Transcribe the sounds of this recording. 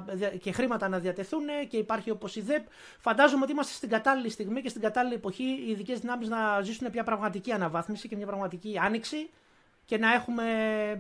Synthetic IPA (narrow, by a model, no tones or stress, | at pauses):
ðce̞xɾimɐt̪ɐnɐðiɐt̪e̞θune̞ce̞ipɐɾçio̞po̞siðe̞p | fɐnd̪ɐzomeo̞t̪iimɐst̪est̪iɡɐt̪ɐlilist̪iɣmice̞st̪iɡɐt̪ɐliliepo̞çiːðice̞zðinɐmeznɐzisunepɲɐpɾɐvmɐt̪iciɐnɐvɐθmisice̞mɲɐpɾɐɣmɐt̪iciɐniksi | ce̞nɐe̞xume̞